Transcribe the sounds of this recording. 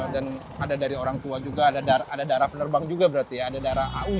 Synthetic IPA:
dan | adadaɾioɾaŋt̪uad͡ʒuɡaːdadaaːdadaɾahpənərbaŋd͡ʒuɡabəɾart̪ijaːdadaɾaɦau

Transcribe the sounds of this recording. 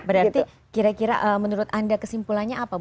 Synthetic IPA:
bəɾart̪i | kiɾakiɾa̰ʔəmənuɾʊt̪andakəsimpulanɲaːpab

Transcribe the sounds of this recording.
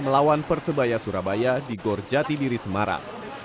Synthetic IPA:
məlawanpərsəbajasuɾabajadiɡɔrd͡ʒat̪idiɾisəmaɾa̰ŋ

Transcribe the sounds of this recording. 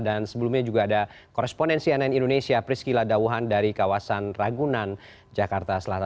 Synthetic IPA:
dansəbəlumɲad͡ʒuɡaːda | koɾɛspondɛnsiɛnɛnindonesiapɾiskiladawuɦandaɾikawasanraɡunan | d͡ʒakart̪asəlat̪a

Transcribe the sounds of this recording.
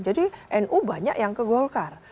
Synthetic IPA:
d͡ʒadiʔɛnʔubaɲa̰ʔjaŋkəɡolkar

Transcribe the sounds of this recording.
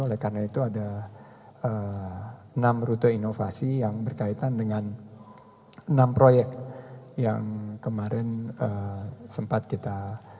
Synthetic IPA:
olɛhkarnait̪uada | ə | namɾut̪əinofasijaŋbərkait̪andəŋan | nampɾojɛkja̰ŋkəmaɾɛnəsəmpat̪̚kit̪a

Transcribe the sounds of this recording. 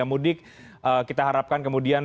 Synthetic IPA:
amudɪk̚ | ʔəːkit̪aɦaɾap̚kankəmudia

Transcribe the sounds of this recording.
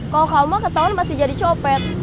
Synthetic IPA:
kalokaumakət̪aʊnmasɪd͡ʒadit͡ʃɔpɛt̪̚

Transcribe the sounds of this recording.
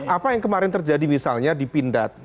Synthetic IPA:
ʔapajaŋkəmaɾɪnt̪ərd͡ʒadimisalɲadipindat̪̚

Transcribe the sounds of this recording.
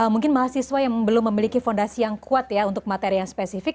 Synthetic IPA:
əmuŋkɪnmaɦasiswajaŋbəlʊmːəmilikifondasijaŋkʰuat̪jaunt̪ʊk̚mat̪eɾijaŋspesifɪk̚

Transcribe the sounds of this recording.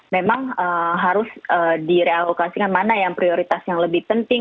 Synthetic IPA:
memaŋəɦaɾʊsəːdiɾealokasikanmanajaŋpɾioɾit̪asjaŋləbɪhpənt̪ɪŋ

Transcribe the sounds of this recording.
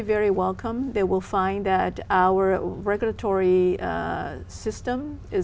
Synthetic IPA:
vɛɹiwɛlˠkʰə̃mðeɪwɪlˠfãɪ̃nðɨɾaʊə˞ɹɛɡjl̩ˠətʰɔɹi | sɪstə̃mɪ

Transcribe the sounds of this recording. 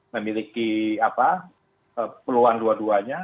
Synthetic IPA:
məmilikiapa | əpəluanluaduaɲa

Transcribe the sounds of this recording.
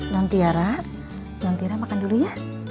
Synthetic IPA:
ɲɔnt̪iaɾa | ɲɔnt̪iaɾamakanduluja

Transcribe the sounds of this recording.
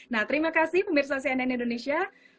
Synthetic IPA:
naht̪əɾimakasɪhpəmirsas̬ianainindonesia

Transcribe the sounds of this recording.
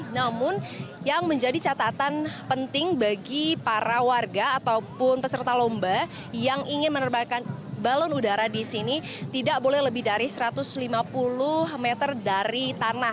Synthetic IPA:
namʊn | jaŋməɲd͡ʒadit͡ʃat̪at̪anpənt̪ɪŋbaɡipaɾawarɡaːt̪aupʊnpəsərt̪alomba | jaŋiŋɪnmənərbakanbalɔnudaɾadisini | t̪idaʔ̚bolɛhləbɪhdaɾisəɾat̪ʊslimapulʊhmɛt̪ərdaɾit̪anah

